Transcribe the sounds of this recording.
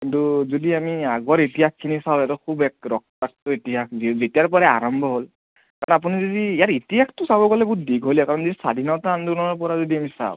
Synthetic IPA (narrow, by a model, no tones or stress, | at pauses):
kintuzodiamiaɡɔɹitijakkʰːinisaʊjɛatɔkʰubɛk̚ɹɔk̚tak̚tɔitiakzizetijaɹp̬ɔɹɛa̰ɹɔmbʱɔɦol | kaɹɔnap̬unizodiːjaɹitiɦaxtʊsabɔkɔlɛbudiɡʱɦolɔkaɹɔnzodisa̰dʱinɔtandunɔɔɹpɔɹazodiamisa̰ʊ